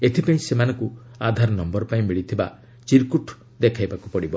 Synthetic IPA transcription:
et̪ʰipaĩsemanɔŋku | ad̪ʱaɾɔnɔmbɔɾɔpaĩmiɭit̪ʰiba̰ | t͡ʃiɾkuʈʰ | d̪ekʰajbakupɔɽibɔ

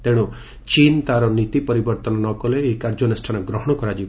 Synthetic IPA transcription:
t̪eɽ̃u | t͡ʃint̪aɾɔnit̪ipɔɾibɔɾt̪ɔnɔnɔkɔleːikaɾd͡ʒɔnesʈʰanɔɡɾɔɦɔɽ̃ɔkɔɾad͡ʒi

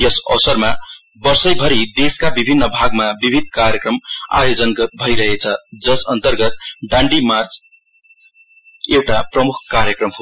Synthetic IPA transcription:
jʌsʌ̰wsʌrma | bʌrsʌjbʱʌɾid̪eskabibʱinːʌbʱaɡ̚mabibʱid̪̚kaɾjekrʌma̰jod͡zʌnʌbʱʌiɾʌɦet͡sʰʌd͡zʌsʌnt̪ʌrɡʌt̪̚ɖãɳɖimart͡s | ewʈaprʌmukʰkaɾjʌkrʌmɦo

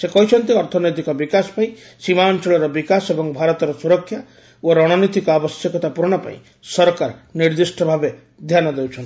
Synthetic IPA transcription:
sekɔɦit͡ʃʰɔnt̪iɔɾt̪ʰɔnojt̪ikɔbikasɔ̥paĩ | simaɔnt͡ʃɔɭɔɾɔbikasebɔŋbʱaɾɔt̪ɔɾɔsuɾɔkʰːja | oɾɔɽ̃ɔnit̪ikɔabɔsjekɔt̪apuɾɔɽ̃ɔpã̰ḭ̃ | sɔɾɔkaɾniɾd̪isʈʰɔbʱabe | d̪ʱjanɔd̪ewt͡ʃʰɔnt̪

